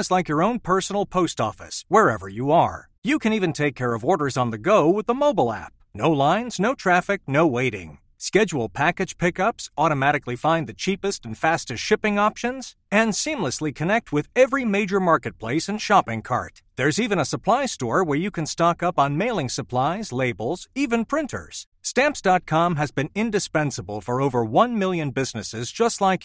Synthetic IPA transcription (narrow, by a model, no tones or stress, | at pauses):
zlaɪkjə˞õʊ̃npʰɜ˞sn̩l̩ˠpʰoʊstɔ̰fɨ̰swə˞ɛvə˞jɨə˞ | jɨkʰɨ̃nivɨ̃ntʰeɪkʰːɛɹʌvɔɹɾə˞zn̩ðɨɡoʊwəðəmoʊbl̩ˠæ̰p̚noʊlãɪ̃nznoʊtʰɹ̥æfɨk̚noʊweɪɾɪ̰̃ŋ | skɛd͡ʒwl̩ˠpʰækɨd̥ʒ̥pʰɪkʌpsɔɾəmæɾɨklifãɪ̃nðɨt͡ʃʰipɨstn̩fæstɨsʃɪpɪ̃ŋɑpʃɨ̃nz̥ | ɨ̃nsĩmləslikʰɨnɛk̚t̚wɪðɛvɹimeɪd͡ʒə˞mɑɹkɨt̚pʰl̥eɪsɨ̃nʃɑpɪ̃ŋkʰɑ̰ɹt̚ðə˞zivɨ̃nəsəpʰl̥aɪstɔɹwə˞jɨkʰɨ̃nstɑkʌpn̩meɪlˠɪ̃ŋsəpʰl̥aɪzleɪbl̩ˠz̥ivɨ̃npʰɹ̥ɪ̃ntʰə̰˞z̥ | stæ̃mpsd̥ɑt̚kʰɑ̃mɨzbɨ̃nɪ̃ndɨspɛ̃nsəbəl̩ˠfə˞oʊvə˞wʌ̃nmɪlˠjɨ̃nbɪznɨsɪzd͡ʒʌstˡlaɪk